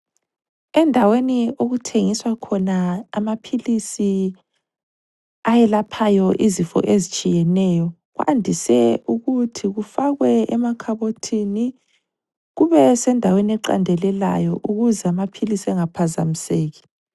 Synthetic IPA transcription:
ɛndʱaweniʔoɣutʰeŋiswakʰɔnaːmapʰilisi | ajɛlapʰajɔʔizifɔ̰ʔezit͡ʃʼijɛnɛːjɔ | ɣwʔa̰ndʱisɛuɣutʰiɣufaɣwɛɛmakʰaβotʰini | ɣuβɛsɛndʱaweniɛǃa̰ndʱɛlɛla̰jɔʔuɣuzɛamapʰilisɛŋapʰaza̰miseːɣi̥

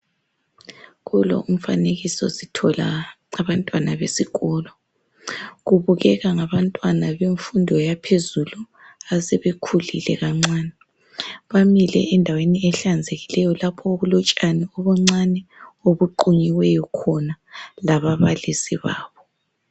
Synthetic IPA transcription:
ɣulɔ̰ʔum̩faneɣisɔ̰sitʰɔla | aβantʼwanaβesiɣɔlɔ | ɣuβuɣɛɣaŋaβantʼwanaβeɱfundʱɔjapʰezulu | asɛβekʰulḭlɛ̰ɣaŋ͡ǀaːnɛ | βamilɛ̰ɛndʱaweniɛɬand͡zʱeɣilɛjɔlapʰɔoɣulɔt͡ʃʼanɛɔβɔŋ͡ǀanɛoβuǃuɲiwɛjɔkʰɔnalaβaβalisiβa̰ːβɔ

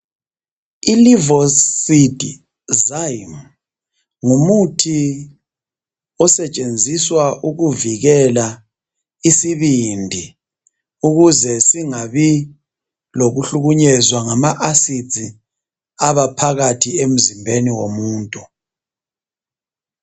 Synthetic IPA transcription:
ilivɔsid̥ʱḭ | zajm | ŋumutʰi | ɔsɛt͡ʃʼend͡zʱiswaʔuɣuviɣɛla | isiβindʱi | uɣuzɛsiŋaβi | loɣuɬuɣuɲɛzwaŋamaʔasi̥t͡sʼi | aβapʰaɣatʰiem̩zimbʱeniwomuːntʼu

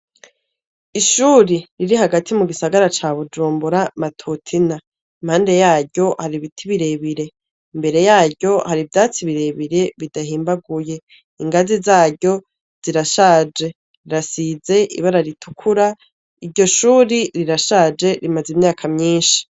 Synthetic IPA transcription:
iʃuɾiɾiɾiɦaɡatʰimuɡisaɡaɾat͡ʃaːβud͡ʒuːmbuɾamatʰutʰina | imhaːnde̞jaːɟɟo̞haɾiβitʰiβiɾe̞βiɾe̞ | imbe̞ɾe̞jaːɟo̞haɾivjaːt͡siβiɾe̞βiɾe̞βidaɦiːmbaɡuje̞ | iŋɡazizaːɟɟo̞ | z̥iɾaʃaːd͡ʒe̞ | ɾiɾasize̞ʔḭβaɾaɾitʰukʰuɾa | iɾɟo̞ʃuːɾiɾiɾaʃaːd͡ʒe̞ɾimazimɲaːkʰamɲiːnʃi̥

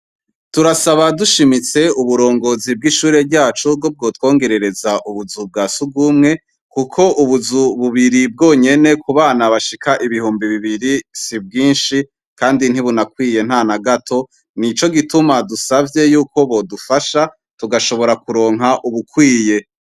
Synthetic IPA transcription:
tuɾasaβaduʃimit͡se̞uβuɾo̞ːŋɡozib̚ɡiʃuːɾe̞ɾɟaːt͡ʃub̚ɡo̞b̚ɡo̞ːtwo̞ːŋɡe̞ɾe̞ɾe̞zaʔuβuzub̚ɡaːsuɡumŋe̞ | kukʰo̞ʔuβuzuβuβiɾib̚ɡo̞ːɲe̞ne̞kuβaːnaβaʃikaʔiβihuːmbiβiβiɾisib̚ɡiːnʃi | kaːndinhiβunakwiːje̞nhanaɡatʰo̞ | nit͡ʃo̞ɡitumadusavɟje̞juːko̞βo̞dufaʃa | tuɡaʃo̞βoɾakuɾo̞ːŋɦaʔuβukwiːje̞

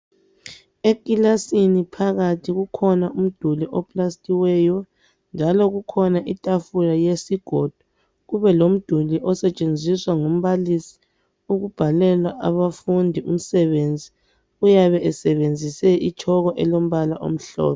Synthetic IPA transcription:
ekʼilasinipʰaɣatʰiɣukʰɔnaʔum̩d̥ʱuliʔɔpʼlastʼiwɛjɔ | nd͡ʒʱalɔɣukʰɔnaʔitʼafulajesiɡ̥ʱod̥ʱu | ɣuβɛlom̩d̥ʱuliʔɔsɛt͡ʃʼend͡zʱiswaŋom̩βalisi̥ | uɣub̥ʱalɛlwaʔaβafundʱiʔum̩sɛβend͡zʱi | ujaβɛʔɛsɛβend͡zʱisɛʔit͡ʃʰɔɣɔʔɛlom̩βalaʔo̰m̩ɬɔ̰ːβɛ

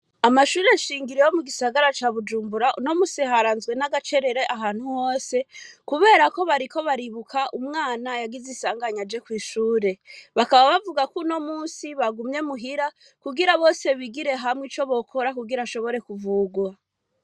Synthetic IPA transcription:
amaʃuːɾe̞ʃiːŋɡiɾejomuɡisaɡaɾat͡ʃaːβud͡ʒuːmbuɾaʔuno̞musiɦaɾaːnzɡwe̞naɡat͡ʃe̞ɾe̞ɾeʔaɦaːnhuho̞ːse̞kuβe̞ːɾako̞βaɾiko̞βaɾiβukʰaʔumŋaːnajaɡizisaːŋɡaɲad͡ʒe̞kwiːʃuːɾe̞βakaβaβavuɡakuno̞muːnsiβaɡumɲe̞muɦiɾa | kuɡiɾaβo̞ːse̞βiɡiɾe̞ɦamŋit͡ʃo̞βo̞kʰo̞ɾakuɡiɾaʃo̞βo̞ɾe̞kuvuɡwa

